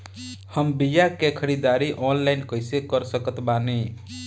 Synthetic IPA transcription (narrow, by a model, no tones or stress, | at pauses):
həmbijakekʰəɾid̪aɾiʔɔnlaɪnkəɪsekəɾsəkət̪bani